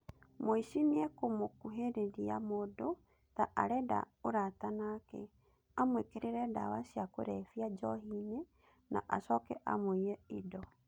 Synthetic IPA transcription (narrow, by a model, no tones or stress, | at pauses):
moiʃiniɛkomokuɦeɾeɾia̰modo | taʔaɾɛda̰ | oɾatanakɛ̰ | amwekeɾeɾɛda̰wasiako̰ɾɛfiad͡ʒɔɦine | nʔa̰ʔasɔkɛ̰ʔa̰moiɛidɔ